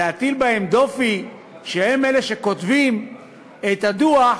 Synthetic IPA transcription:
eat̪ilbahe̞md̪o̞fi | ʃehemeleʃe̞ko̞t̪vim | et̪ad̪ua

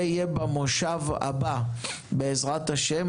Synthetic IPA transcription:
ijebamoʃava̰ba | beːzʁat̪aʃem

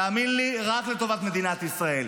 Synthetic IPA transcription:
aːminliʁaklet̪o̞vat̪me̞d̪inat̪isʁae̞l

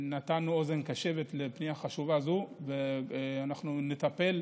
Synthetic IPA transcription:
nat̪anuo̞ze̞nkaʃe̞vet̪lepniaχaʃuvazuveanaχnunet̪ape̞l

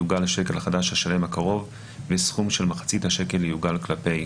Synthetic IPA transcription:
uɡalaʃe̞kelhaχadaʃhaʃale̞makaʁo̞v | vesχumʃelmaχḁt͡sithaʃe̞ke̞lːejuɡalklape̞j

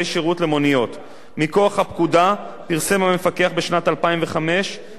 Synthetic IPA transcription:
jʃeʁutle̞mo̞nijo̞t | miko̞aχhapkuda | piʁse̞mame̞fake̞aχbe̞ʃnatalpaimve̞χame̞ʃ

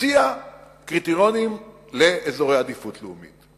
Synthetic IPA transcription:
ia | kʁit̪iʁo̞nim | leʔezo̞ʁejad̪ifutleumḭt

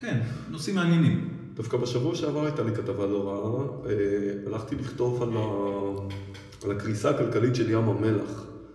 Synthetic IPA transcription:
kennosimaːnjenim | d̪̥afkabeʃavuaʃeavaʁajtalikatavaloʁaaʁealaχt̪iliχt̪o̞fala | alakʁisaːkalkalitʃe̞ljamame̞laχ

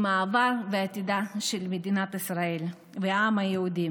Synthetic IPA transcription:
maːvaɾveat̪id̪aʃelmed̪inat̪isʁael | veamajeud̪i

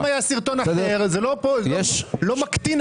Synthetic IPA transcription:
majasiʁt̪onasɛdeʁzelopojɛʃlomakt̪in

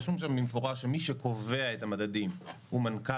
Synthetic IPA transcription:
ʃumʃambimefoʁaʃemiʃeko̞ve̞aethamadadim | umanka

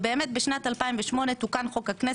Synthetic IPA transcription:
beːmet̪̚beʃnat̪alpaimveʃmo̞net̪ukanχo̞khakne

